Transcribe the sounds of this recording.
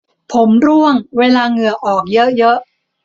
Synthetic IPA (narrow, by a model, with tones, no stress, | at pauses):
pʰo˩˦mɾu˥˩əŋweː˧laː˧ŋɯ˨˩əʔɔː˨˩k̚jɤ˦˥ʔjɤ˦˥ʔ